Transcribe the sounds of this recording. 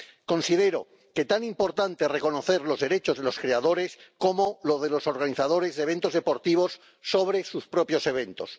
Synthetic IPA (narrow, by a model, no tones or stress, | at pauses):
ko̞nsið̞e̞ɾo̞̰ | ke̞t̪animpo̞ɾt̪ant̪e̞re̞ko̞no̞θe̞ɾlo̞zðe̞ɾe̞t͡ʃo̞zð̞elo̞skɾe̞að̞o̞ɾe̞skomoloðe̞lo̞so̞ɾɣaniθaðo̞ɾe̞zðeβẽ̞nt̪o̞zðe̞po̞ɾt̪iβ̞o̞sː | o̞β̞ɾe̞suspɾo̞pjo̞se̞β̞e̞nt̪o̞̰s